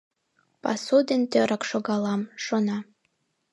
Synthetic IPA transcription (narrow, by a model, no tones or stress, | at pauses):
pɑ̰sud̪ent̪øɾʔɑkʃoɣɑlɑmʃonɑ